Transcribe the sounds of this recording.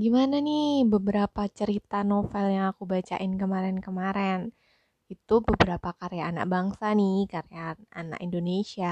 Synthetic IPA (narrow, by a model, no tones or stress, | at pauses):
ɡimananibəbəɾapat͡ʃəɾit̪anofɛljaŋakubat͡ʃa̰ʔɪnkəmaɾɛnkəmaɾɛn | it̪ubəbəɾapakaɾejaːna̰k̚baŋsanikaɾeaana̰kindonesia